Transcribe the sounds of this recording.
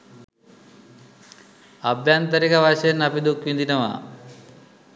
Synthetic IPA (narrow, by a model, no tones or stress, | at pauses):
ɐbʱjaːnt̪ɐɾikɐʋaʃenɐpid̪ukʋind̪inɐʋa̰